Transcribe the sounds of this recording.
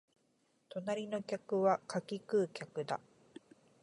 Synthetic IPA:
t̪o̞naɾʲino̞kʲakɯ̟βakakʲikɯːkʲakɯ̟d̪a

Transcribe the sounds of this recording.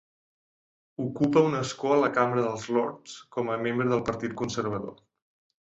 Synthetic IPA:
ukupəunəskoələkamɾəðəlˠzlɔɾt̪skɔməmembɾəðəlˠpəɾt̪it̪̚kunsəɾβ̞əðo̰

